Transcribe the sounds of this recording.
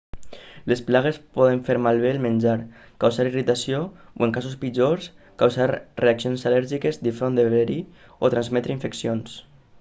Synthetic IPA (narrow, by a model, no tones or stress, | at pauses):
lesplaɣ̞espɔðeɱfeɾmalˠβ̞eːlmenʲd͡ʒaɾ | kawzaɾirit̪asiooeŋkasuspid͡ʒoɾs | kawzaɾreaksionsalɛɾʒikezd̪ifɾond̪eββeɾi | ot̪ɾanzmɛt̪ɾeiɱfeksions